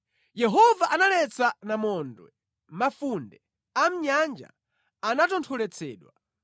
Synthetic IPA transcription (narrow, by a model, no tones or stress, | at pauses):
jɛɦɔvaʔanalɛt͡sʰanamɔndwɛ̰ | mafundɛ | am̩ɲand͡ʒa̰ | anatɔntʰɔlɛt͡sʰɛ̰ːɗwa